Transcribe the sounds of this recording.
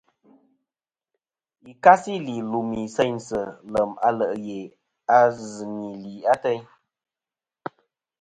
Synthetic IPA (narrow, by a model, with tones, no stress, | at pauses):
i˨ka˦si˦li˨lu˨mi˨sɛ˦ɲsə˨lə˨ma̰˨˦lə˨ʔje˨ | a˦zɨ˨ni˨liː˨a˦tɛ˦ɲ